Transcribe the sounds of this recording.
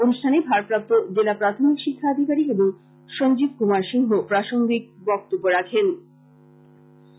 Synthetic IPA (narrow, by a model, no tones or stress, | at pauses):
onuʃʈʰanebʱaɾpɾap̚t̪od͡ʑelapɾat̪ʰomikʃikʰːaad̪ʱikaɾieboŋ | ʃond͡ʑib̚kumaɾʃiŋɦopɾaʃoŋɡik̚bɔk̚t̪obːoɾakʰen